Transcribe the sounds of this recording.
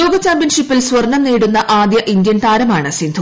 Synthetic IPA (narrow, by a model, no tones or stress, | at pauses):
oːɡɐt͡ɕːaːmbinʂipːilsʋɐrɳɐmniːɽunːɐʔaːd̪jɐʔind̪jɐnt̪aːɾɐmaːɳɨsind̪ʰʱu